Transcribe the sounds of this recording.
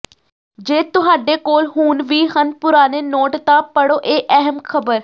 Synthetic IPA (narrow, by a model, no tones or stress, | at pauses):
d͡ʒeːt̪ʊɦaːɖeːkoːlɦuːnʋiːɦənpʊɾaːneːnoːʈt̪ãːpəɽoːʔeːʔɛɦəmkʰəbəɾ